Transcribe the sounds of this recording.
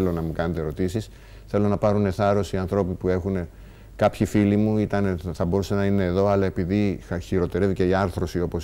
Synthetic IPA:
lo̞nɐmukɐne̞t̪eɾo̞t̪isis | θe̞lo̞nɐpɐɾune̞θɐɾo̞siɐnθɾo̞pipue̞xune̞ | kɐpçifilimuit̪ɐneθɐbo̞ɾusenɐine̞ːðo̞ɐlɐe̞piðiçiɾo̞t̪e̞ɾe̞vice̞iɐɾθɾo̞sio̞po̞s

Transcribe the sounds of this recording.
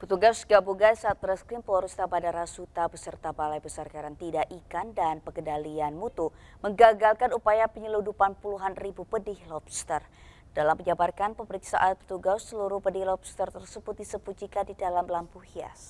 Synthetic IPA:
pət̪uɡasɡabuɡajsaːt̪̚əɾəskɾimpɔɾust̪abadaɾasut̪abəsərt̪abalajbəsarkaɾant̪idaʔikandanpəkəndalianmut̪uməŋɡaɡalkanupajapəɲəludupanpuluɦanribupədɪhlɔpst̪ər | d̥alamːəɲd͡ʒabarkanpəməɾiksa̰ʔat̪̚pə̥t̪uɡasːəluɾuhpədɪhlɔp̚st̪ərt̪ərsəbʊt̪̚disəpud͡ʒikandidalamlampuhia̰s

